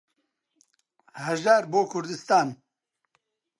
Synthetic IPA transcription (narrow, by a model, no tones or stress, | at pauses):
hɐʒaːɾboːkʰʊɾd̪ɨst̪aːn